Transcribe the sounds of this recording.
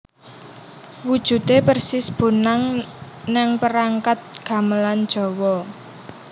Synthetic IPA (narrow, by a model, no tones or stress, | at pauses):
wud̥ʒ̥ṳt̪epərsisb̥o̤naŋ | nɛŋpəɾaŋkat̪̚ɡ̥ä̤məland̥ʒ̥ɔ̤wɔ